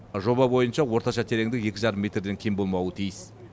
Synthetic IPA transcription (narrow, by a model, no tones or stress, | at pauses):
ʒo̞bɑbo̞jənʃɑwo̞ɾt̪ɑʃɑt̪ʰe̞ɾe̞ŋd̪ɪkje̞kʲɪʒɑɾəmːʲe̞t̪ɾd̪e̞ŋkʲʰejmbo̞lˠmɑwət̪ʰijəs